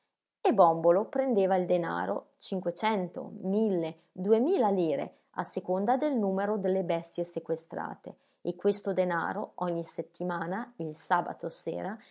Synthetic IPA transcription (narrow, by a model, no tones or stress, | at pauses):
ebɔmbolopɾend̪eːvaild̪ena̰ːɾo̰t͡ʃiŋkwet͡ʃɛnt̪o̰milːe | d̪uemiːlaliːɾḛ | a̰sːekond̪ad̪elnuːmeɾod̪elːebɛst̪jesekwest̪ɾa̰ːt̪ḛː | kːwest̪od̪ena̰ːɾoɔɲːiset̪ːimaːnailsaːba̰t̪osḛːɾa